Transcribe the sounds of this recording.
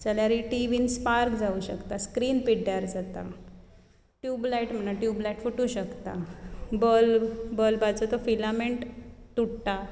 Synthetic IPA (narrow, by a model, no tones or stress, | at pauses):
t͡səljaɾiʈiʋiːnspaɾkd͡zauɕə̰kt̪askɾiːnpiɽjaɾd͡zat̪a̰ | ʈjublaiʈm̤ənaʈjublajiʈfuʈũɕəkt̪a̰bəlbəlbat͡sət̪ɔfilameɳʈt̪uɽʈ̪a